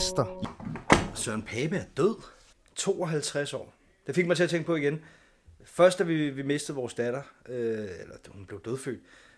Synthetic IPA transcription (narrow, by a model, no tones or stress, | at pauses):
sd̥ɐ | sɶɐnpʰɛːb̥əæɐd̥øð̰ˠ | t͡sʰo̝̰ːɒ̽ɦælt͡sʰʁasɒ̰ː | d̥e̝feɡ̥mɑ̈ɪt͡sʰe̝ɐt͡sʰeŋɡ̥pɒ̽iɡ̥en | fɶɐsd̥æʋiʋime̝sd̥əð̩ˠʋɒːsd̥æɾ̥ɐøelɐhunb̥le̝ʊd̥øðˠfø̰ːd̥̚